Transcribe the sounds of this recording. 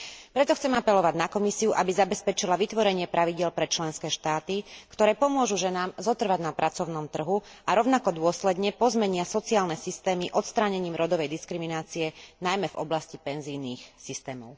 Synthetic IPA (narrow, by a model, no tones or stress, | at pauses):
pɾɛt̪ɔxt͡sɛmapɛlɔʋaɟʲnakɔmisiuʔabizabɛspɛt͡ʃilaʋit̪ʋɔɾɛɲɪɛpɾʔaʋiɟɪɛlpɾɛt͡ʃlɛnskɛːʃt̪aːt̪ikt̪ɔɾɛːpɔmʊɔʒuʒɛnaːmzɔt̪r̩ʋaɟnapɾʔat͡sɔʊnɔmt̪r̩ɦu | aɾɔʊnakɔd̪ʊɔslɛd̪ɲɛpɔzmɛɲɪasɔt͡siaːlnɛsist̪ɛːmiʔɔt̪st̪ɾaːɲɛɲiːmɾɔd̪ɔʋɛjd̪iskɾiminaːt͡siɛnajmɛvɔ̰blascipɛnzijniːxsist̪ɛːmɔʊ